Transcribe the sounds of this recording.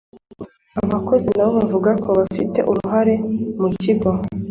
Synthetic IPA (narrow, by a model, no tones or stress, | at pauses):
aβako̞zinaβo̞βavuɡakʰo̞βafite̞̰ʔuɾuɦaɾe̞muciɡwa